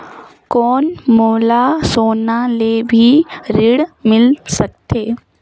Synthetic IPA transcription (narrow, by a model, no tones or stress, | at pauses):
kɔːnmoːlasoːnalebʱiɾɪɽmɪlsək̚t̪eː